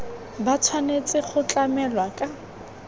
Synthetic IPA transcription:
bat͡sʰwanet͡sʼɪχʊt͡ɬʼamɛlwakʼa

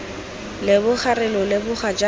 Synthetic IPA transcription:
lɪbʊχarɪlɔlɪbʊχad͡ʒa

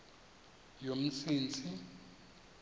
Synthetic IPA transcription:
jom̩siːnt͡sʰʼi

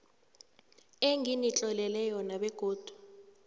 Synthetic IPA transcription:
eŋinit͡ɬʼɔlɛlɛjɔnaɓɛɡ̥ʱoːd̥ʱu

